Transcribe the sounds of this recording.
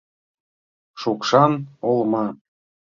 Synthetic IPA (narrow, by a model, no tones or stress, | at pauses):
ʃukʃɑnolˠmɑ